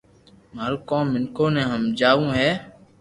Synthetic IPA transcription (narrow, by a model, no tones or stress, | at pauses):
məɾkõːmːɪnkʰõːnẽːɦəmd͡ʒaːʋũːɦɛː